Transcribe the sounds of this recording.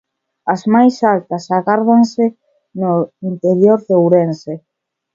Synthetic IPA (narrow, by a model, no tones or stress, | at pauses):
ɐzmajsalt̪ɐsaɣaɾðaŋsɪ | noint̪eɾjoɾðewɾense